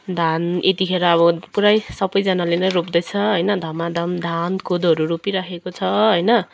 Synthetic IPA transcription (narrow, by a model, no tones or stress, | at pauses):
d̪ʱanet̪ikʰeɾaʌβʌpuɾajsʌbʌjd͡zʌnalenʌjropd̪ʌjt͡sʰʌɦʌjnʌd̪ʱʌmad̪ʱamd̪ʱankʰod̪ʌɾuɾopiɾakʰekot͡sʰʌɦʌjnʌ